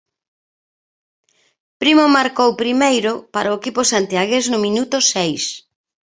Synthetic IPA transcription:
pɾimomaɾkowpɾimejɾʊpaɾaʊekipʊsant̪iaɣeznʊmĩnut̪ʊsejs

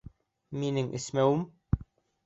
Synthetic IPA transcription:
minɘŋʔɘ̰̆smæwɘm

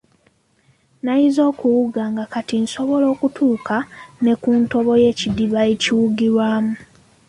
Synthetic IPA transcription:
najizo̞ːkuwuɡaːŋɡakatinso̞βo̞lo̞ːkutʰuːkʰane̞kuːnto̞βo̞je̞ːcidiβaeciwuɡiɾwaːmu

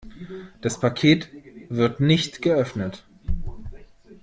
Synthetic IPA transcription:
d̥aspʰakʰeːtv̥ɪɐtnɪçtɡ̥əʔœfnət

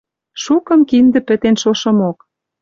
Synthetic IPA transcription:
ʃukɤ̆mkind̪ə̆pɘ̆t̪enʃoʃɤ̆mok

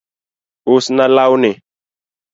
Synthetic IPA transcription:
usnalawne

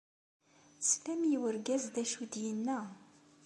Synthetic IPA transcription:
t͡sːfæmjiwəɾɡæzd̪æʃud̪jənːæ

